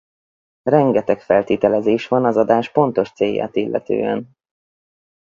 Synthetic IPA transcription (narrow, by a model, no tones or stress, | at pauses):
rɛŋɡɛt̪ɛkfɛlt̪iːt̪ɛlɛzeːʃʋɒnɒzɒd̪aːʃpo̞nt̪o̞ʃt̪seːjːa̰ːt̪ilːʔɛ̰t̪ø̰ːɛ̰n